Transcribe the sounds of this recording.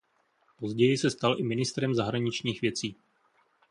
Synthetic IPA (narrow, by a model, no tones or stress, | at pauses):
po̞zɟɛjɪsɛst̪alʔɪmɪnɪst̪ɾɛmzaɦɾaɲɪt͡ʃɲiːxvjɛt͡siː